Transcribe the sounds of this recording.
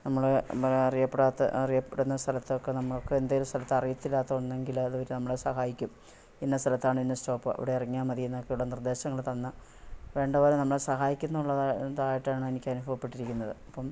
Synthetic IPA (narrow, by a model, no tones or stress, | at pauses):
nɐmːɐɭɐɐrijɐpːeɽaːt̪ːɐ̰ɐrijɐpːeɽunːɐst̪ʰɐlɐt̪ːɨokːenɐmːɐɭo̞kːeend̪aːjilmst̪ʰɐlɐt̪ːɐrijɐt̪ːilːaːt̪ːɐunːeŋɡilɐðuʋɐɾunɐmːɐɭesɐɦaːjikʲːum | enːɐst̪ʰɐlɐt̪ːaːɳɨinːɨsto̞ːpːɨɐ̰ʋiɽe̞ɐriŋːaːmːɐðijenːokːejuɭːɐnird̪e̞ːɕɐŋːɐɭt̪ɐnːɨ | ʋe̞ːɳɖɐpoːlenɐmːɐɭesɐɦaːjikʲːunːɐuɭːɐððaːjiʈːaːɳɨenikʲːɐnubɐʋɐpːe̞ʈːiɾikʲːunːɐðɨɐpːɐm